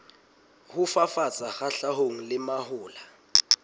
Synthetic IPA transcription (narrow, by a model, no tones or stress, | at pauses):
hʊfafat͡sʼaxaɬaɦoŋ̩lɪmahʊːla